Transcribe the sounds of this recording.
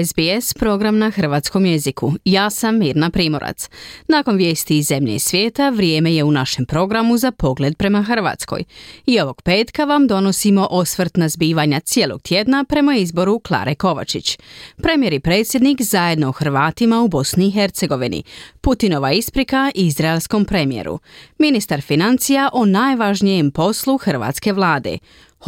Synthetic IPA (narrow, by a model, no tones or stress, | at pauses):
ezbiespɾo̞ɡɾamnaxr̩ʋaːt̪sko̞mje̞zikʰujaːsamːiːɾnapɾiːmo̞ɾa̰t̪snako̞nʋje̞ːst̪iːzːe̞mʎḛisʋʲje̞ːt̪aʋɾjeːme̞je̞unaʃe̞mpɾo̞ɡɾamuzapo̞ɡle̞d̪̚pɾe̞maxr̩ʋa̰ːt̪sko̞̰jio̞ʋo̞ɡ̥peːt̪kaʋamd̪o̞no̞simo̞ʔosʋɾt̪nazbiːʋaɲat̪sjeːlˠo̞̰ɡ̥̚t̪ʰʲje̞d̪napɾe̞maizbo̞ɾuklˠa̰ːɾʔeko̞ʋa̰t͡ʃit͡ɕpɾe̞mje̞ɾipɾe̞ːt̪sjed̪nikzaje̞d̪no̞oxrʋaːt̪imaubo̞sniːxe̞ɾt̪se̞ɡo̞ʋinḭput̪ino̞ʋaispɾikaʔizɾaelˠsko̞mpɾe̞mije̞̰ɾṵminist̪aɾfinant̪sijaʔonajʋaʒnijempo̞sluxr̩ʋa̰ːt̪ske̞ʋlˠaːd̪e̞̰